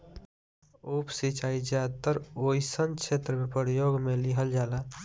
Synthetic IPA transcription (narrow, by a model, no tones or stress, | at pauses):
upsit͡ʃaːid͡ʒat̪əɾojsənkt͡ʃʰet̪ɾəmẽpəɾjoːɡmeliɦəld͡ʒaːla